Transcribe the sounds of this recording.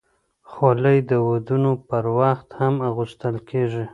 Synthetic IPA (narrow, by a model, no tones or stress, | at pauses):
xoləjd̪əwod̪unopəɾwaxt̪hamaɣuʃt̪əlkʰeʐi